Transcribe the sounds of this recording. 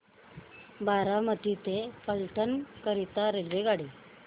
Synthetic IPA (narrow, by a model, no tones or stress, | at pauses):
baɾamət̪it̪epəlʈənkəɾit̪aɾelʋeɡaɽi